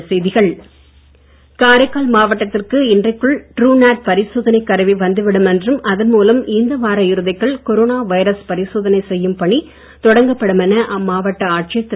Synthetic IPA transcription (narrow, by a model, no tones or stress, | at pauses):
sɛjðɪɣɐɭ | kaːɾɐɪkːaːlmaːʋɐʈːɐt̪ːɪrkɯɪndrɐɪkːɯɭʈɾuːnaːʈ̚pɐɾɪsoːðɐnɐɪkːɐɾɐʋiʋɐnd̪ɯʋɪɽɯmɛndrɯmʔɐðɐnmuːlɐmɪnd̪ɐʋaːɾɐjɪɾɯðɐɪkːɐɭkɔɾoːnaːʋɐjɾɐspɐɾɪsoːðɐnɐɪsɛjːɯmpɐɳi | t̪ɔɽɐŋɡɐpːɐɽɯmɛnːɐʔɐmːaːʋɐʈːɐaːʈ̚t͡ʃɪjɐt̪ː